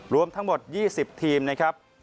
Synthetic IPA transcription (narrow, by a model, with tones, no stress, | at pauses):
ɾu˧əmt̪ʰa˦˥ŋmo˨˩t̪̚jiː˥˩si˨˩p̚t̪ʰiː˧mna˦˥kʰɾa˦˥p̚